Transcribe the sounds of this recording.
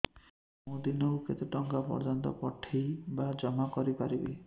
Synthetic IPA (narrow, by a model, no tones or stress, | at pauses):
mũd̪inɔwket̪eʈɔŋkapɔ̰ɾd͡ʒɔnt̪ɔ̰pɔʈʰːejbad͡ʒɔmakɔɾipaɾibḛ